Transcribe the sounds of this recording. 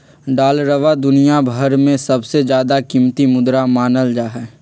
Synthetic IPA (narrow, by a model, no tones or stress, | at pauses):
ɖaːlɾəʋad̪ʊnijabʱəɾmẽsɐbsed͡ʒjaːd̪akimt̪imʊd̪ɾamaːnəld͡ʒaːɦɛː